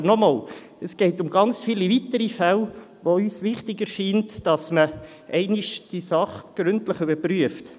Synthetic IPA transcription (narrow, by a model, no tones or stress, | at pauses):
ənɔmɑːl | əsɡ̥ɛɪtʊmɡɑnt͡sfilivitəɾifæl | ʋoyːsʋɪχtɪɡəɾʃiːntd̥ɑsmə | ʔɛɪnɪʃd̥iəsɑχɡ̥ɾʉntləχʏbəɾpryəft